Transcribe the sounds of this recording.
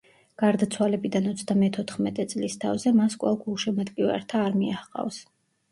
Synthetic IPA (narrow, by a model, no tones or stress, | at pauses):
ɡ̥aɾd̪at̪sʰwalɛbid̪anɔt̪sʰd̪amɛt̪ʰɔt̪ʰχmɛt̪ʼɛt̪sʼlist̪ʰa̰vzɛmaskʼwa̰lˠɡʰulʃɛmɛt̪ʼkʼiva̰ɾt̪ʰaːɾmiaχqʼa̰vs